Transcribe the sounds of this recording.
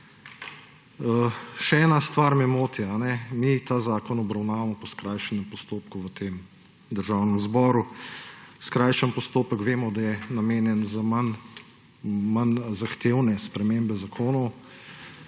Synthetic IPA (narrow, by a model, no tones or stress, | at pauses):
əʃɛɛːnast̪ʋaːɾmɛmoːt̪ianɛmit̪aːzaːkɔnɔbɾawnaːʋamɔpɔskɾajʃɛnɛmpɔst̪oːp̚kuʋət̪eːm | d̪əɾʒawnɛmzbɔːɾu | skɾajʃənpɔst̪oːpəkʋeːmɔd̪ajɛnameːnjɛnzaman | manzaxt̪eːwnɛspɾɛmembɛzakʰoːnɔw